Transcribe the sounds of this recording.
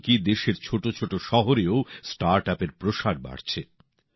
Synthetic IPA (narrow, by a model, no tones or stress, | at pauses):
kid̪eʃeɾt͡ɕʰoʈot͡ɕʰoʈoʃɔɦoɾeosʈaɾʈɛpeɾpɾoʃaɾba̰ɽt͡ɕʰe